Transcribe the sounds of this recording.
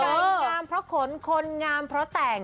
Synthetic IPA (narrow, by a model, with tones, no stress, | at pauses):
ʔaː˧ŋaː˧mpʰɾɔ˦˥kʰo˨˩˦nkʰo˧nŋaː˧mpʰɾɔ˦˥t̪ɛː˨˩ŋ